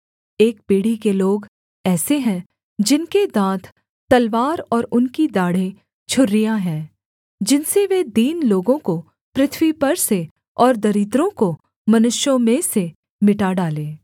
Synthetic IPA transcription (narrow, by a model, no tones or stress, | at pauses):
eːk̚piːɽ̤ikeloːɡ | ɛːseɦɛ̃ | d͡ʒɪnked̪ãːt̪ʰ | t̪ɐlʋaːɾɔːɾʊnkid̪aːɽ̤ẽ | t͡ʃʰʊɾːijaɦɛ̃ː | d͡ʒɪnseʋed̪iːnloːɡõko | pɾɪt̪ʰwipɐɾse | ɔːɾd̪ɐɾɪt̪ɾõko | mɐnʊʃjõmẽse | mɪʈaɖaːlẽː